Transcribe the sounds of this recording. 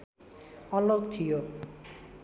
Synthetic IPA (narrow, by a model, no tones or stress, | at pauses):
ɔlokt̪ʰijo